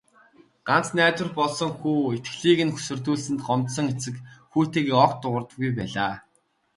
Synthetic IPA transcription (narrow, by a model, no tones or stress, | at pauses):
ɢ̥an̥t͡snæːt̪wɘ̆rpɔɮsɞ̆ŋxuːet̪ɡɮiːɣɘ̆nxu̥sɵ̆rt̪uːɮsɘ̆nt̪ɢɔmt̪sɞ̆ŋet͡sɘ̆kxuːt̪eːɣiɔkt̪ːʊʁə̆rt̪ə̆ɣujp̬æːɮaː